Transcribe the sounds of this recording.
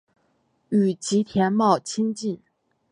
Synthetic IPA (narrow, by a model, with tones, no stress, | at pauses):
y˨˩t͡ɕi˧˥t̪ʰjɛ˧˥nmɑ˥˩ʊt͡ɕʰi˥nt͡ɕi˥˩n